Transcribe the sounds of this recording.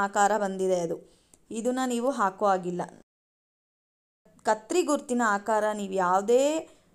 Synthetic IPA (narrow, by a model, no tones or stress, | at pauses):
aːkaːɾɐbɐnd̪id̪eɐd̪u | id̪unːɐniːʋuɦaːkuʋaːɡilːɐ | kɐt̪ɾiɡuɾt̪ːinɐaːkaːɾɐniːʋujaːʋud̪eː